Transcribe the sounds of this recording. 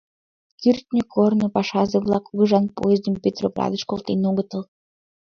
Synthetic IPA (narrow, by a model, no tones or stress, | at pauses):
kyrʲt̪nʲekʰornopɑʃɑzeβlˠɑkuɣə̆ʒɑnpo̰jezʲd̪əmpʲet̪roplɑ̰d̪ə̆ʃkolˠt̪enoɣət̪əl